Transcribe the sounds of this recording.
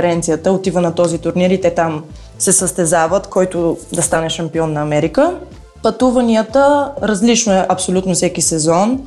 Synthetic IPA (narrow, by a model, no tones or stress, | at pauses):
ɛɾɛnt̪sijət̪əot̪ivənɐt̪ɔzit̪ʊɾniɾit̪ɛt̪am | sɛsəst̪ɛzavət̪kɔjt̪ʊd̪ɐst̪anɛʃɐmpiɔnːɐːmɛɾikə | pɐt̪uvɐniət̪əɾɐzlit͡ʃnʊɛʔɐpsolʲut̪nofsɛkisɛzɔn